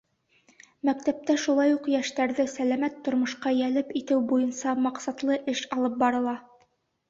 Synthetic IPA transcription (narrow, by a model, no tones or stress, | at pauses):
mæk̚t̪æp̚t̪æʃulˠɑjuqjæʃt̪æɾðɘsælæmæt̪ːŏɾmŏʃqɑjælɘpit̪ɘwbujɤnsɑmɑqsɑt̪lˠɤʔɘʃɑlˠɤp̚bɑɾɤ̆lˠɑ